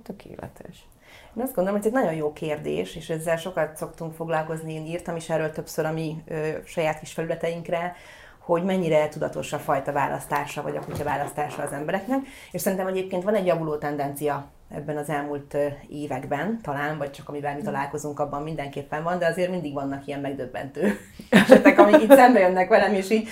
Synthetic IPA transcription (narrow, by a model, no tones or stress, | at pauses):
t̪økʰḛːlɛ̰t̪ʰɛ̰ʃ | eːnɒzdɡond̪oomɦozɛɟnɒɟo̞njjoːkeːrd̪ḛːʃeːʃɛzːɛlʃo̞kɒt̪so̞kt̪uŋkfo̞ɡlɒlko̞znieːniːrt̪ɒmeːʃɛrːøːlt̪øpsøɾɒmiøʃɒjaːt̪̚kiʃfɛlylɛt̪ɛiŋkrɛ | ho̞ɟmɛɲːiɾɛt̪ud̪ɒt̪o̞ʃɒfɒjt̪ɒvaːlʔɒ̰st̪aːʃɒvɒ̰ɟɒ̰kucɒvaːlɒst̪aːʃɒːzɛmbɛɾɛknɛk | eʃsɛɾint̪ɛmɛɟeːp̚keːnt̪ʋɒnɛɟːjɒvuloːt̪ɛnd̪ɛnt̪sijɒ | ɛ̰bːɛnɒzɛlmult̪eːvɛɡbɛnt̪ɒlaːnvɒct͡ʃɒkɒmivɛlmit̪ɒlaːlko̞zuŋkɒbːɒmmind̪ɛŋkeːpːɛɱvɒnd̪ɛɒzeːrmind̪iɡvɒnːɒkijɛmmɛɡ̚d̪øbːɛ̰nt̪øː | ʃɛt̪ːɛkɒmiit̪sɛmbɛjønːɛkʋɛlɛmeːʃiːɟ